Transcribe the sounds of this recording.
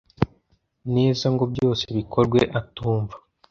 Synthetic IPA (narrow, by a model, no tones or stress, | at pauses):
neːzaŋɡobɟo̞ːseβikʰo̞ɾɡwe̞ʔatuːɱvḁ